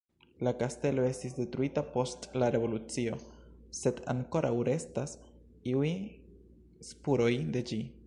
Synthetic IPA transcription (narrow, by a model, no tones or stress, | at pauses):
lakaste̞lo̞e̞stisde̞tɾuitapo̞stlaɾe̞vo̞lut͡sio̞se̞da̰ŋko̞ɾʔawɾe̞stas | iuj | spuɾo̞jde̞d͡ʒi